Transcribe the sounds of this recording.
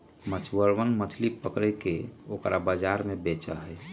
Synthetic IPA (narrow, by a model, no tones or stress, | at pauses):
mət͡ʃʰwəɾʋənmət̪ʰlipəkɾɛkeokɾabəd͡ʒaɾmebet͡ʃə̰ɦɛj